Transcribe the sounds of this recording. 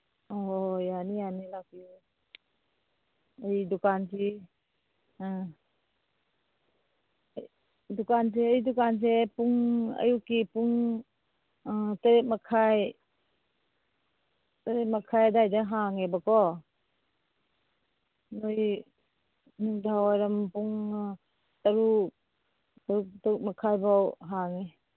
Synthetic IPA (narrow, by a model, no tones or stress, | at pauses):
ɔjanijanilakiu | əjdukansi | dukans̬ɛəjdukans̬ɛpuŋə̰jukipuŋ | taɾemakʰaj | taɾet̚makʰajadajdaɦaŋebakɔ | nuj | nuŋdawajɾampuŋ | tɐɾu | tuk̚tauk̚makʰajbawɦaŋe